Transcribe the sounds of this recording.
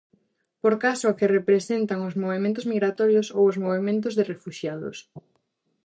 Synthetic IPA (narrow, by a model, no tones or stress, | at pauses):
poɾkasoakerepɾesent̪aŋʊzmoβemẽnt̪̬ʊzmiɣɾat̪ɔɾjosowozmoβemẽnt̪ʊzðɪrefuʃjaðʊ̰s